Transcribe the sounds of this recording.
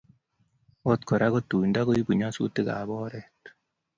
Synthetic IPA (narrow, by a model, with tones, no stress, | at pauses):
o˦t̪kʰo˨ɾa˦ɣo˦tu˨nda˦ɣo˦i˦bu˨ɲa˦sṵ˦te˦ɡa̰˨bɔ˦ɾɛ˨t